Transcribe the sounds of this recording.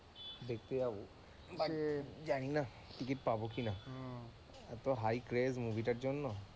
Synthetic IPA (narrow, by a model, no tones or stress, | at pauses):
b̪ekt̪ejabu | bad͡ʒaɽ̃ina | ʈik̬iʈpabokina | ɛt̪ɔɦajkɾezmubʱiʈaɾd͡ʑɔnːɔ